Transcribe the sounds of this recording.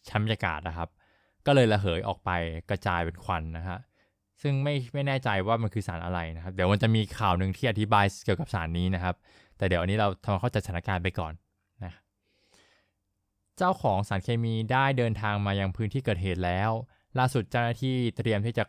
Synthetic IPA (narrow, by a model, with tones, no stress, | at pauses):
t͡ɕʰa˦˥nba˧jaː˧ka̰ː˨˩t̪̚na˦˩kʰa˦˥p̚ | kɔː˥˩lɤː˧jla˧ɦɤː˩˦jʔɔ̰ː˨˩k̚pa˧jkɾa˧t͡ɕaː˧jpe˧nkʰwa˧nːa˦˥kʰa˦˥ | sɯ˥˩ŋma˥˩jma˥˩jnɛː˥˩t͡ɕa˧jwaː˥˩ma˧nkʰɯː˧saː˩˦nʔa˧ɾa˧jna˦kʰa˦˥di˩˦wma˧nt͡ɕa˨˩ʔmiː˧kʰaː˨˩wnɯ˨˩ŋt̪ʰiː˥˩ʔa˧t̪ʰi˦baː˧jki˨˩əwka˨˩p̚saː˩˦nːiː˦˥na˦˥kʰa˦˥p̚ | t̪ɛː˨˩di˨˩˦wʔnːiː˦˥ɾa˧wt̪ʰa˧ma˧kʰa˥˩t͡ɕa˨˩jsa˧a˦˥kaː˧np̬a˧jkɔː˨˩nː | a˦˥ka˦ | t͡ɕaː˥˩wkʰɔː˩˦ŋsaː˩˦nkʰeː˧miː˧daː˥˩jdɤː˧nt̪ʰaː˧ŋmaː˧ja˧ŋpʰɯː˦˥nt̪ʰiː˥˩kɤː˨˩t̪̚ɦeː˨˩t̪̚lɛː˦˥w | laː˥˩su˨˩t̪̚t͡ɕa˥˩wnaː˥˩t̪ʰiː˥˩t̪ɾi˧əmt̪iː˥˩t͡ɕa˨˩